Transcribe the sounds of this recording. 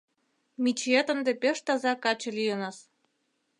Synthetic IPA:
mit͡ɕet̪ə̆nd̪epeʃt̪ɑzɑkɑt͡ɕĕlijənɑs

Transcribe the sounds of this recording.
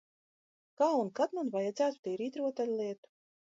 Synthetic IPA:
kaːunkat̪manvajad̪zæːt̪u̥t̪ʲɛːɾiːt̪ɾuɔt̪alʲlʲˠiɛt̪u̥

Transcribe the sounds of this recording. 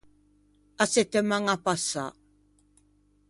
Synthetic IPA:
asɪt̪amaŋapasa̰ː

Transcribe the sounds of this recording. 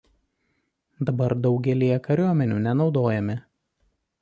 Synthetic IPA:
d̪ɐbɐɾd̪ɒʊɡʲɛlʲijɛkɐɾʲuɔmʲɛnʲuːnʲɛnɒʊd̪oːjɛmʲɪ

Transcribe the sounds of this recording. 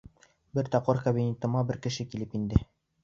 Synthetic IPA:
bɘɾt̪ɑpqɤɾkɐbʲinʲet̪ɤ̆mɑbɘɾkɘ̆ʃɘkilɘpind̪ɘ

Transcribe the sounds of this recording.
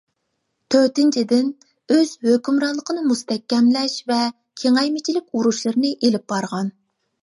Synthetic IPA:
t̪ʰøɾt̪ɪnt͡ʃʰid̪ɪn | øz̥høkʲymɾɑnlˠəqʰənɨmust̪ɛkʲːɛmlɛʃvɛ | kʲʰeŋɛjmɪt͡ʃʰilɪkʲuɾuʃlˠɨɾɨnɨʔelɪp̚bɑɾʁɑn

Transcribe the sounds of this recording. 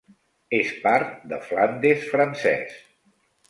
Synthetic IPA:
espaɾt̪d̪əfland̪esfɾənsɛ̰s

